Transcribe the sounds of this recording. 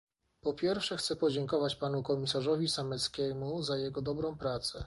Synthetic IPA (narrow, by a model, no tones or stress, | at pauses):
pɔpʲjɛɾfʂɛxt̪sɛpɔd͡ʑɛŋkɔvat͡ɕpanukɔmʲisaʐɔvʲisamɛt̪skʲɛmuzajɛɡɔd̪ɔbɾɔ̃w̃pɾat̪sɛ